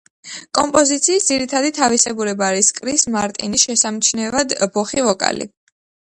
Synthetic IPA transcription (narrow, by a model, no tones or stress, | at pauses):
kʼɔ̰mpʼɔzit̪sʰiːsd̪ziɾit̪ʰad̪it̪ʰavisɛbuɾɛbaːɾiskʼɾismaɾt̪ʼḭnisʃɛsamt͡ʃʰnɛvad̪bɔχivɔkʼa̰lḭ